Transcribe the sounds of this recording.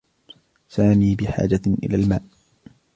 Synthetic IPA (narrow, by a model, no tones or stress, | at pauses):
saːmiːbɪħa̰ːd͡ʒaʔɪ̰laːlmaːʔ